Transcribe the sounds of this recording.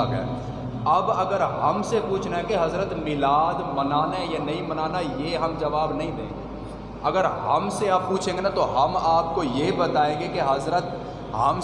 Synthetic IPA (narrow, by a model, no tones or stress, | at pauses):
ɡɛ̰ː | ɐbɐɡəɾɦɐmsepuːt͡ʃʰnaɦɛ̃keɦɐzɾət̪mɪlaːd̪mɐnaːnajanɐimɐnaːnajeɦɐmd͡ʒɐʋaːbnɐɦĩd̪ḛ̃ːɡeː | ɐɡəɾɦɐmseaːppuːt͡ʃʰẽːŋɡenat̪oɦɐmaːp̚kojebɐt̪aːẽːɡekeɦɐzɾət̪̚ | ɦɐm